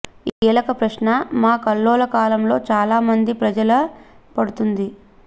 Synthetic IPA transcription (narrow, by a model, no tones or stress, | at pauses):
iːlɐkɐpɾɐʃnɐmaːkɐlːoːlɐkaːlɐmlo̞ːt͡ʃaːlaːmɐnd̪ipɾɐd͡ʒɐlɐ | pɐɽut̪und̪i